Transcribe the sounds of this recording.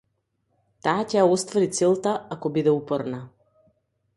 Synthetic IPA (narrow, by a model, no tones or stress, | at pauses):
t̪aːcɛjaɔst̪vɔɾit̪sɛlˠt̪aakɔbid̪ɛupɔɾna